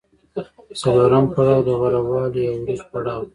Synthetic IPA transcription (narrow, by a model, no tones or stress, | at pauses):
saloɾampaɽɑːwd̪əɣaɾawɑljawɾizpaɽɑːw